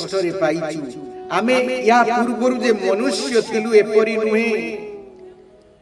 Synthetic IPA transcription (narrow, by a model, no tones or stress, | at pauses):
t̪ʰɔɾepajt̪ʰiamejɦãpuɾbɔɾud͡ʒemɔnusjɔt̪ʰeluepɔɾinũɦẽ